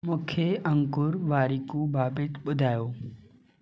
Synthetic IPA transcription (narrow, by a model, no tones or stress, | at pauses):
mʊ̃kʰeə̃ŋkʊɾʋaːɾikũbʱaːbɪt̪ɓʊd̪ʱaːjoː